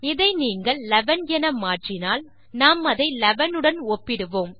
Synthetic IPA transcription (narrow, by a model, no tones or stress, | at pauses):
ɪðɐɪniːŋɡɐɭlɛʋɐnjɛnɐmːaːʈrɪnaːl | naːmɐðɐɪlɛʋɐnɯɽɐnoːpːɪɽɯʋoːm